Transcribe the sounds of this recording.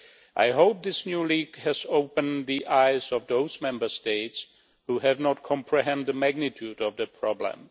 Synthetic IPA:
ʔa̰ɪɦoʊp̚ðɪsnjuliɡ̥hɨzoʊpə̃nðiʔaɪzʌvðoʊzmɛ̃mbə˞steɪts | huhɨvnət̚kʰɑ̃mpʰɹɨɦɛ̃nd̪ðəmæɡ̚nɨtʰʉɾʌvðɨpʰɹ̥ɑblə̰̃m

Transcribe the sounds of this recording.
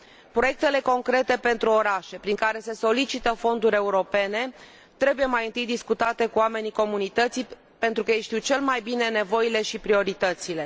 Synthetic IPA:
pɾo̞je̞k̚t̪e̞le̞ko̞ŋkɾet̪e̞pe̞nt̪ɾuo̞ɾaʃe̞pɾiŋkaɾe̞se̞so̞lit͡ʃit̪əfo̞nd̪uɾʲe̞uɾo̞pe̞ne̞ | t̪ɾe̞buje̞majɨnt̪ɨjd̪iskut̪at̪e̞kuame̞niko̞munit̪ət̪si | pe̞nt̪ɾukəjejʃt̪iwt͡ʃe̞lmajbine̞ne̞vo̞jile̞ʃipɾio̞ɾit̪ət̪sile̞

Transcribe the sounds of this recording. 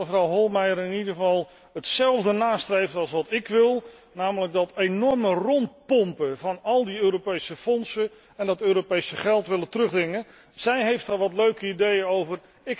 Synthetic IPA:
əvrɑwɦɔlˠmɛjəɾɪnidəəvɑlˠ | ɦətsɛlˠvdənaːstrejftɑlˠsʋɑtɪkʋɪlˠ | naːmələɡ̚dɑtejnɔɹmərɔnt̚pɔmpəvɑnɑlˠdiøːɾopejsəfɔnsə | ɛndɑtøːɾopejsəχɛlˠtʋɪləntrɵχdrɪŋə | z̥ɛjɦejftɦaɹʋɑtløɥkəidejənowvər | ɪk

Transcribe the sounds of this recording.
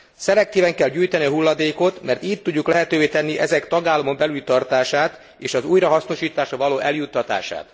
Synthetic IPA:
sɛlɛk̚t̪iːvɛŋkɛlɟyːjt̪ɛniɒɦulːɒd̪eːko̞t̪mɛrt̪iːt̪ːuɟːuklɛɦɛt̪øːveːt̪ɛnːiʔɛzɛkt̪ɒɡaːlːɒmo̞mbɛlylt̪ɒrt̪aːʃaːt̪ | eːʃɒzuːjrɒɦɒsno̞ʃiːt̪aːʃɒvɒloːʔɛljut̪ːɒt̪a̰ːʃa̰ːt̪

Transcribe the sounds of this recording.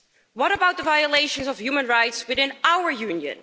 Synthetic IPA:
wʌɾəbaʊt̪̚ðəvajəleɪʃə̃nsɔfjumə̃nɹaɪtswɪðɪ̃nawə˞jʉ̃njɨ̰̃n

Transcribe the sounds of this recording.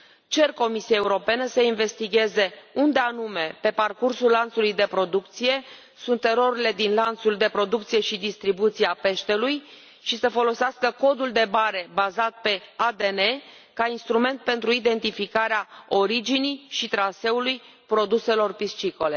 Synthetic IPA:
t͡ʃe̞rko̞misijae̞uɾo̞penəsəinve̞st̪iɡʲe̞zeund̪e̞anume̞pe̞parkursulːant̪sulujd̪e̞pɾo̞d̪ukt̪sije̞ | sunt̪ːe̞ɾo̞ɾile̞d̪inlant̪suld̪e̞pɾo̞d̪uk̚t̪sije̞ʃid̪ist̪ɾibut̪sijape̞ʃt̪e̞luj | ʃisəfo̞lo̞seaskəko̞d̪uld̪e̞baɾe̞bazat̪̚pe̞ad̪e̞ne̞ | kainst̪ɾume̞nt̪̚pe̞nt̪ɾuid̪e̞nt̪ifikaɾeao̞ɾid͡ʒiniʃit̪ɾase̞uluj | pɾo̞d̪use̞lo̞rpist͡ʃiko̞le̞

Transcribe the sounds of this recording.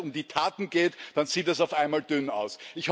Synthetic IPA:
ʊmdiːtʰaːtn̩ɡ̥eːtd̥anz̥iːtɛs̬aʊfaɪnmaːld̥ʏna̰ʊsɪçh

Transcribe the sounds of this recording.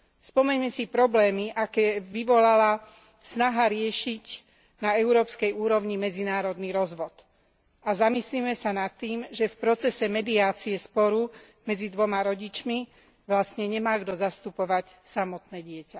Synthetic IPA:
spɔmɛɲmɛsipɾɔblɛːmiʔakɛːʋiʋɔlala | snaɦaɾɪɛʃic | naɛʊɾɔːpskɛjuːɾɔʊɲimɛd͡zinaːɾɔd̪niɾɔzʋɔt̪ | azamislimɛsanat̪ːiːmʒɛfpɾɔt͡sɛsɛmɛd̪iaːt͡siɛspɔɾu | mɛd͡zid̪ʋɔmaɾɔɟit͡ʃmi | ʋlast̪ɲɛɲɛmaːɡd̪ɔzast̪upɔʋacsamɔt̪nɛːɟɪɛca

